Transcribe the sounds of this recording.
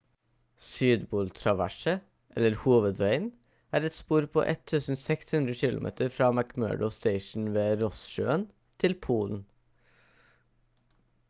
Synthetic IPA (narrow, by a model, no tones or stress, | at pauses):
syːd̪buːlt̪ʰɾɑʋæ̰ʃə | ʔɛləɾhuːʋəd̪ʋæɪn | æːɾɛt̪spuːɾpʰo̰ːʔɛt̪ʰʉːsn̩sɛkshʉnd̪ɾəçɪlʊ̰mʔḛːt̪əɾfɾɑːmækmø̰ːɖəʊst̪eɪʃn̩ʋeːɾɔsʃøːən | t̪ʰɪlpʰuːln̩